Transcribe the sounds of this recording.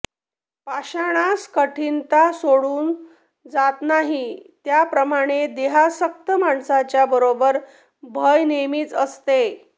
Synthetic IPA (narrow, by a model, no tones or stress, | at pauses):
paɕaɽ̃askəʈʰint̪asoɽuːn | d͡zat̪naɦit̪japɾəmaɽ̃ed̪eɦasək̚t̪əmaɳsat͡ɕjabəɾobəɾ | bʱəjnemiːt͡səst̪e